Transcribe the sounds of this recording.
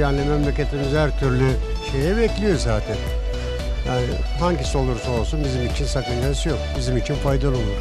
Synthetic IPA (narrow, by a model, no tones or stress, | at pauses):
janlʲimɛmlʲecʲe̞t̪ʰimizhæɾt̪ʰyɾlʲy | ʃe̞jɛbɛclʲijo̞zaːt̪ʰɛn | jaːnɪɦaɲɟiso̞lˠuɾso̞lˠsunbizimit͡ʃʰinsakɯnd͡ʒasjo̞kbizimit͡ʃʰinfajd̪alˠumuɾ